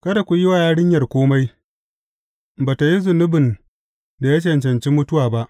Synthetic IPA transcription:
kɐ˦da˨kʷu˨ji˦waː˨jaː˦ɽɪ˦ɲjɐ˨rkʷoː˦ma˦j | baː˨ta˨ji˦zʊ˨nʊ˦bɪ˨n | da˨ja˦t͡ʃɛ˨nt͡ʃɐ˨nt͡ʃiː˦mʊ˦tʊ˦waː˨ba˦ʔ

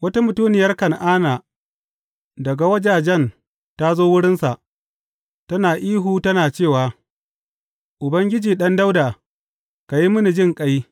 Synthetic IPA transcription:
wɐ˦ta˦mʊ˨tuː˦nɪ˨jɐ˦rkɐ˨nʔaː˦naː˨ | dɐ˨ɡa˨wɐ˦d͡ʒaː˨d͡ʒɛ˦˨n | ta˦zoː˦wʊ˦ɽɪ˦nsa˨ʔ | tɐ˦naː˨ʔiː˦ɦuː˨tɐ˦naː˨t͡ʃeː˦˨waː˨ | ʔʊ˨bɐ˦ŋɡʲɪ˦d͡ʒiː˨ɗɐ˦nda˦wdaː˨ | ka˨ji˦mʊ˦ni˨d͡ʒɪ˦˨ŋkʼɐ˦ji˦

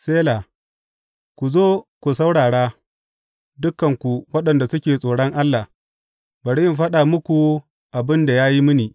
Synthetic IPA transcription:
seː˦laː˨ | kʷu˨zoː˦kʷu˨sa˦wɽaː˨ɽaː˦ | dʊ˦kːɐ˨ŋkʷu˨wɐ˦ɗɐ˨nda˨sʊ˦kʲeː˨sʼoː˨ɽɔ˦ŋʔa˦lːa˨ | bɐ˨ɽjɪ˦mɸɐ˦ɗa˨mʊ˦kʷu˨ | ʔa˨bɪ˦nda˨jaː˦ji˦mʊ˦niː˨

